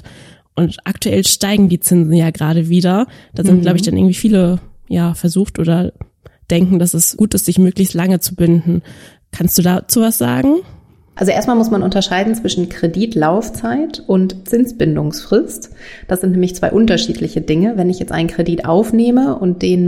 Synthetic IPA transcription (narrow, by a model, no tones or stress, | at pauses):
ʔʊntʔaktuʔɛlʃtaɪɡŋ̩diːt͡sɪnzn̩jaːɡʁaːɾəviːdɐd̥aːzɪnt̚ɡ̥laʊbəɪçd̥anʔɪ̰ɐŋ̩tv̥iːfiːləjaːfɛɐzuːxtʔoːdɐ | d̥ɛŋkŋ̩d̥asɛsɡ̥uːtɪstz̥ɪçmøːklɪçstlaŋət͡subɪndn̩ | kʰanstd̥uːdaːt͡suːvasz̥a̰ːɡŋ̩ | ʔalzoʔeːɐtmalmʊsmanʔʊntɐʃaɪdn̩t͡sv̥ɪʃn̩kʁ̥ediːtlaʊft͡saɪtʊntt͡sɪnsb̥ɪndʊŋsfʁ̥ɪstd̥asz̥ɪntnɛːmɪçt͡sv̥aɪʔʊntɐʃiːtʰlɪçədɪŋəvɛnɪçjɛt͡stʔa̰ɪnkʁ̥ediːtʔa̰ʊfneːməʔʊnt̚d̥eːn